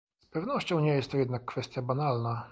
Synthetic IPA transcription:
spɛvnɔɕt͡ɕɔ̃w̃ɲɛjɛst̪ːɔjɛd̪nakːfɛst̪ʲjabanalna

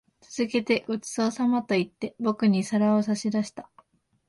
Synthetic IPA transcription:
t͡sɨz̥ɨke̞t̪e̞ɡ̥o̞t͡sɨ̥sosamat̪o̞it̪ːe̞bo̞kɯ̟ɲ̟isaɾaosaɕid̪aɕi̥t̪a

